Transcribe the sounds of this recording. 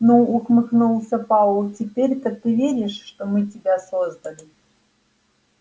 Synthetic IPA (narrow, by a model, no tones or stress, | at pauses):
noukmɨknulˠsʲəpalˠtʲɪpʲeɾʲt̪ət̪ɨvʲeɾʲɪʂʂt̪omɨtʲɪbʲasozd̪əlʲɪ